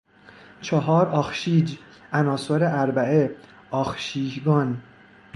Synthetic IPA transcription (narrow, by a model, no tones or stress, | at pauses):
t͡ʃʰɒɦɒːɾɒːxʃiːd͡ʒ | ʔænɒːsoɾeʔæɾbæe | ɒːxʃiːd͡ʒɡɒːn